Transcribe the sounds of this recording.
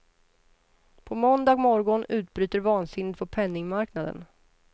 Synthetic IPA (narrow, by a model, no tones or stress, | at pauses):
pʰɔmɔnd̪ɑːɡmɔɾɡɔnʉ̟ːt̪bɾyːt̪əɾvɑːnsɪnːɪt̪pʰɔpʰɛnːɪŋmaɾknad̪ə̰n